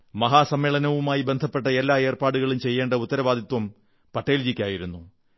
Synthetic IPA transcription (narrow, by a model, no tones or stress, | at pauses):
mɐɦaːsɐmːeːɭɐnɐʋumaːjibend̪ʱɐpːe̞ʈːɐelːaːe̞ːrpaːɽuɣɐɭumt͡ɕe̞jːeːɳɖɐut̪ːɐɾɐʋaːd̪ʱit̪wɐm | pɐʈːeːld͡ʑikʲːaːjiɾunːu